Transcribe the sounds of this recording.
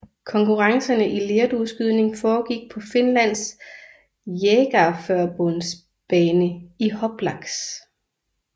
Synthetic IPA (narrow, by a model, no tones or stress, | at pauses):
kʰɒ̽ŋkʰuʁɑ̈ŋsɐnəʔileːɐd̥usɡ̥yð̞̰ˠne̝ŋfɒːɡ̥iɡ̥̚pʰɒ̽fe̝nlæn̰s | jeɡ̥æfɶɐ̰b̥ɔns | b̥ɛːnəihɒ̽b̥lɑ̈ɡ̥s